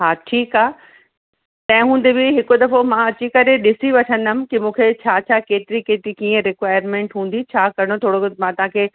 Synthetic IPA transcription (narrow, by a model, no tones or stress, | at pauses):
ɦaːʈʰiːkaː | t̪ɐ̃ɦɪ̃ɦũːnd̪ebɪɦɪkod̪ɐfomãɐt͡ɕikɐɾeɗɪsiʋɐʈʰə̃nd̪əmɪ̆kɪmũːkʰet͡ɕʰaːt͡ɕʰaːkeːt̪ɪɾikeːt̪ɪɾikiːə̃ɾɪkʋaːɪɾmẽːɳʈɦũːnd̪it͡ɕʰaːkɐɾɪɽ̃ot̪ʰoːɽoɡ̪mãːt̪ɐʋ̤ãkʰeː